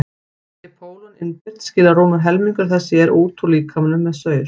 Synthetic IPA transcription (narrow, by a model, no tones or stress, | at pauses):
tɪpʰoːwlanɪ̰nːpɪr̥t̪scɪːlaɾoːmaɾɦɛlmiŋkʏɾθɛsːɪɛɾʔuːt̪ʰuliːkʰamnʏːɛðsœːɥɾ̥